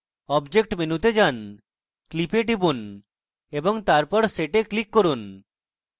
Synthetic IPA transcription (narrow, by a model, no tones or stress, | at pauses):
ɔbd͡ʑek̚ʈminut̪ed͡ʑan | klipeʈibun | eboŋt̪aɾpɔɾseʈeklikːoɾun